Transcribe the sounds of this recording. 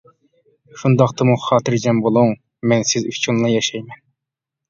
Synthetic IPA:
ʃund̪ɑqt̪ɑmuχɑːt̪ʰɪɾd͡ʒɛmbolˠuŋ | mɛnsɪzyt͡ʃʰunlˠɑjɑʃɛjmɛn

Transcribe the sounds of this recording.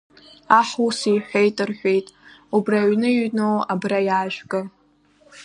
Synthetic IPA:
aħusijħʷᶣejtʼɨrħʷᶣe̞jtʼubraɥnɨiɥnowabrajaːʒᶣɡʼɨ

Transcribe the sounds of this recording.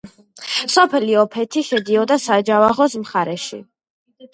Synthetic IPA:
sɔpʰɛliɔpʰɛt̪ʰiʃɛd̪iɔd̪asad͡ʒavaʁɔsmχaɾɛʃḭ

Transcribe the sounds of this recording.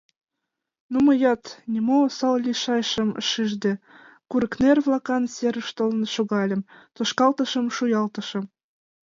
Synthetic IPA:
numəjɑt̪nʲimosɑllʲiʃɑjʃə̆mə̰ʃiʒd̪ĕ | kuɾəknerβlɑkɑnsʲeɾə̆ʃt̪olnɤʃoɣɑlʲə̆mt̪oʃkɑlt̪ə̆ʃə̆mʃujɑlt̪ɤ̆ʃɤ̆m

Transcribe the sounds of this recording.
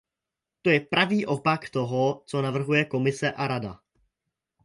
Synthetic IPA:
t̪o̞jɛpɾʔaviːʔo̞pakt̪o̞ɦo̞t͡so̞navr̩ɦujɛko̞mɪsɛʔaɾada̰

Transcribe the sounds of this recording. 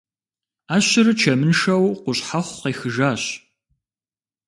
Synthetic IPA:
aːɕɪɾɨt͡ʃʰɐmɨnʃɐwqʷʊɕħaχʷqiːxɨʒaːɕ

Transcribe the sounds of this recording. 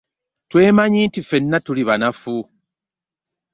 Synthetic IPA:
twe̞ːmaɲiːntife̞nːatuliβanafu

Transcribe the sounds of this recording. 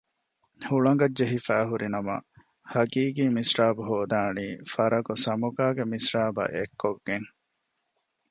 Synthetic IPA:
huɭɐŋ̆ɡɐdd͡ʒeɦifæːɦuɾinɐmɐ̰ | hɐɡiːɡiːmisɾaːbuɦoːd̪aːniːfɐɾɐɡosɐmuɡaːɡemisɾaːbɐ̰ʔekʰːoɡːeŋ

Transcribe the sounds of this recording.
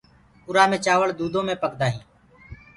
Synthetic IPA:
ʊɾaːmẽːt͡ʃaːʋəɭd̪uːd̪õːmẽːpəkd̪aːɦĩː

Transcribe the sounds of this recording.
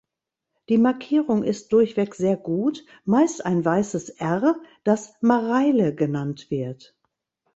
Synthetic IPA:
d̥iːmaɐkʰiːʁʊŋɪst̚d̥ʊɐçv̥ɛkz̥eːɐɡuːt | maɪstaɪnvaɪsəsʔɛʁd̥asmaʁaɪləɡənantv̥ɪɐt

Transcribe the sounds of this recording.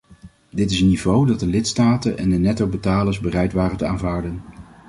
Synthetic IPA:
dɪtɪsənːivowdɑt̚dəlɪtstaːtənʔɛ̰ndənɛtowbətaːləɹzbərɛjtʋaːrəntəaːnvaːɹdən

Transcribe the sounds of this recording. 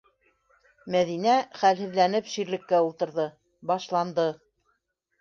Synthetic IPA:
mæðinæχælhɘ̆ðlænɘpʃiɾlɘ̆kːæulˠt̪ɤ̆ɾðɤ | bɑʃlˠɑnd̪ɤ

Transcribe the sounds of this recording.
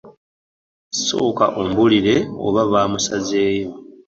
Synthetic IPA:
so̞̰ːka̰ʔombuliɾe̞o̰βaβaːmusaze̞ːjo̞

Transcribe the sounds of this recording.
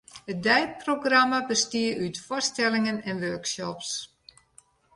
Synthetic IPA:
ət̚dɛjt̚proɡramabəstiəytfɔrstɛlɪŋənɛnʋøɹksɔps

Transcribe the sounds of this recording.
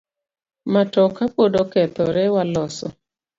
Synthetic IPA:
matɔkapodokɛt̪ɔɾɛwalɔsɔ̰

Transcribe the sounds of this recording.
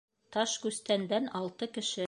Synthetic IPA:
t̪ɑʃkʉst̪ænd̪ænɑlˠt̪ɤkɘ̆ʃɘ

